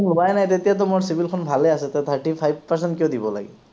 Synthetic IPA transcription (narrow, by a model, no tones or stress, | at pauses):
nɔbajnajt̪etijat̬ɔmoɹsibʱilkʰɔnbʱalɛasɛt̪ɛt̪ʰaɹʈipʰajb̚paɹs̬ɛntkiɔd̪ibɔla̰ɡɛ̰